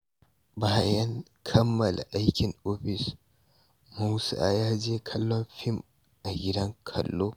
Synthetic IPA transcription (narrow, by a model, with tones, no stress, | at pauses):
baː˦jɐ˦ŋ | kʰɐ˦mːɐ˨la̰˨ʔa˦jkʲɪ˨ŋʔoː˦ɸɪ˨s | mu˦sa˦ʔa˨jaː˦d͡ʒeː˦kʰɐ˦lːɔ˦nɸɪ˦m | ʔa˨ɡʲɪ˦dɐ˦ŋkʰɐ̰˨lːoː˦